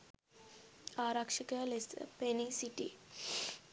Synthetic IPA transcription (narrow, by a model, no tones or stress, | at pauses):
aːɾɐkʂikəlesə̰penisiʈḭ